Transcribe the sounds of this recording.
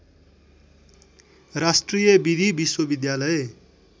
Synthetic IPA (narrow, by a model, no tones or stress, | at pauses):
rasʈrijʌbid̪ʱibiswʌbid̪jalʌe